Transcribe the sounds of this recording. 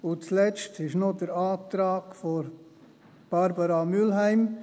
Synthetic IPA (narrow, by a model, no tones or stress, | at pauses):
ʊt͡slɛt͡ʃtɪʃnodəɾaːtɾaːɡfoɾ | b̥ɑɾbɑɾɑmylɦæɪm